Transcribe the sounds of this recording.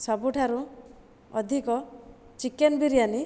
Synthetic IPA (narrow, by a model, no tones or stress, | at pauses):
sɔbuʈʰaɾu | ɔd̪ʱikɔ | t͡ʃikenbiɾijani